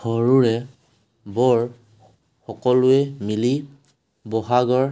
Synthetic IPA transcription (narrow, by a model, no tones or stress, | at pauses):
hɔɹuɹɛ | bɔɹ | xɔkɔlʊɛmili | bɔɦaɡɔɹ